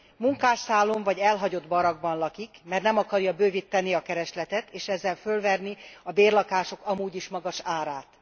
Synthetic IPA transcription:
muŋkaːʃsaːlːo̞ɱvɒɟɛlɦɒɟo̞d̪bɒɾɒɡ̚bɒnlɒkikmɛrnɛmɒkɒrjɒbøːvit̪ːɛniɒkɛɾɛʃlɛt̪ɛt̪eːʃɛzːɛlfølvɛrniɒbeːrlɒkaːʃo̞kɒmuːɟiʃmɒɡɒʃaːɾaːt̪

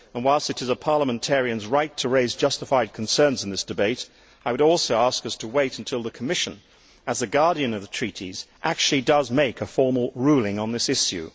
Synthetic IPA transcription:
ə̃nwaɪlˠstɨɾɨzəpʰɑɹləmɨ̃ntʰɛɹiɨ̃nzɹaɪtʰɨɹeɪzd͡ʒʌstəfaɪd̚kʰn̩sɜ̃˞nzn̩ðɪsd̥ɨbeɪɾ | aɪwəɾɔlˠsoʊæskʌstʰəweɪɾ̃n̩tʰɪlˠðɨkʰəmɪʃɨ̃n | ɨzðɨɡɑɹɾiɨ̃nʌvðətʰɹ̥iɾiz̥ʔæk̚t͡ʃʉl̩ˠidʌzmeɪkɨfɔɹml̩ˠɹulˠɪ̃ŋə̃nðɪsɪʃjʉ̰

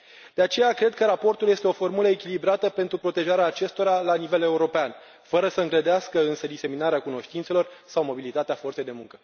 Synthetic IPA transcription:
d̪̥e̞at͡ʃe̞jakɾe̞d̪̚kəɾapo̞rt̪uljest̪eo̞fo̞rmuləekʲilibɾat̪əpe̞nt̪ɾupɾo̞t̪e̞ʒaɾeaːt͡ʃe̞st̪o̞ɾalanive̞le̞uɾo̞pean | fəɾəsəɨŋɡɾəd̪easkəɨnsəd̪ise̞minaɾeakuno̞ʃt̪int̪se̞lo̞rsawmo̞bilit̪at̪eafo̞rsejd̪emuŋkə

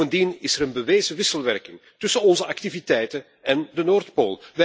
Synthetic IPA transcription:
əndinɪsəɾənbəʋeːzəʋɪsəlˠʋɛrkɪŋtʏsənɔnzəʔɑktivitɛjtə | ɛndənoːrtpoːlˠʋɛ

